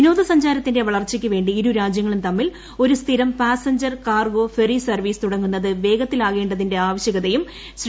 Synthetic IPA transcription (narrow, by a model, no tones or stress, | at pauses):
ino̞ːðɐsɐɲd͡ʑaːɾɐt̪ːinde̞ʋɐɭɐrt͡ɕːikʲːɨʋe̞ːɳɖiiɾuɾaːd͡ʑjɐŋːɐɭumt̪ɐmːil | o̞ɾust̪ʰiɾɐmpaːsɐɲd͡ʑɐrkaːrɡo̞ːferisɐrʋiːst̪uɽɐŋːunːɐðɨʋe̞ːɡɐt̪ːilaːɣe̞ːɳɖɐðinde̞aːʋɐɕjɐɣɐðɐjum | ɕ